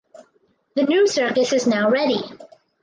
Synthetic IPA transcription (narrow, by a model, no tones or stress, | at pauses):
ðɨnʉsɜ˞kɨsɨznaʊɹɛɾi